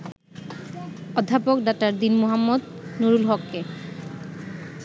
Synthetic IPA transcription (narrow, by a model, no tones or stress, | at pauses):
ɔd̪ʱːapokɖak̚taɹd̪inmoɦamːɔd̪ | nuɹulɦɔkːe